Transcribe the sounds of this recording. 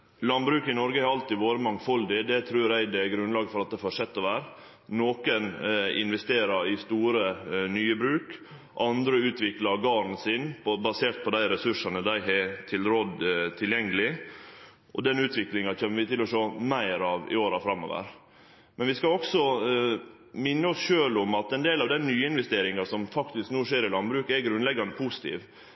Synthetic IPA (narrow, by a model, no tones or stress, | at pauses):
lɑnbɾʉːkəɪnɔɾɡəɑɾɑlt̪ɪʋoːɾəmɑŋfɔld̪ɪd̪ɛt̪ʰɾʉːɾæɪd̪ɛɡɾʉnlɑːɡəfɔɾɑt̪̚d̪ɛfɑʂɛt̪ːɔʋæːɾ | noːkənɪ̰nʋɛst̪eːɾɑɾɪst̪uːɾənyːəbɾʉːk | ʔɑnd̪ɾəʉːt̪ʰʋɪklɑɾɡɑːɾn̩sɪnpbɑseːɾt̪̚pʰɔd̪æɪɾɛsʉʂɑnəd̪æɪɦɛt̪ʰɪlɾod̪t̪ʰɪljɛŋːəlɪ | ʔɔd̪ɛnʉːt̪ʰʋɪklɪŋɑc͡çʰɛːmːəʋɪt̪ʰɪlːɔʂoːmæɪɾɑːʋɪ̰oːɾɑfɾɑmo̰ːʋə̰ɾ | mɛnʋɪskɑɔksɔ | mɪnːəɔsʃøːlʊmɑt̪ɛnd̪eːlɑʋd̪ɛnːyːəɪnʋɛst̪eːɾɪŋɑsɔmfɑkt̪ɪsknuːʂeːɾɪlɑnbɾʉːkɛɡɾʉnlɛɡːɑnəpʰusɪ̥t̪ʰḭːʋ